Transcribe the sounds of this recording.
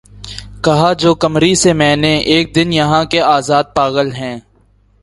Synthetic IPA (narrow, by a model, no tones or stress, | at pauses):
kɐɦad͡ʒoːkɐmɾisemɛ̃ːneʔeːk̚d̪ɪnjɐɦãkeaːzaːd̪̚paːɣəlɦɛ̃ː